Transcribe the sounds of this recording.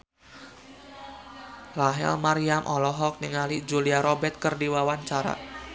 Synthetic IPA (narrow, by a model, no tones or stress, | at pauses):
laɦɛ̰lmaɾiamʔɔlɔɦɔk̚niŋalid͡ʒuliaɾɔbɛt̪̚kərdiwawaɲt͡ʃaɾa̰